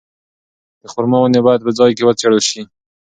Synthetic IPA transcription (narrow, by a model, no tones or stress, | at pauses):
d̪̥əxʊɾmawənebɑjad̪̚pəd͡zɑjkewət͡seɽəlʃi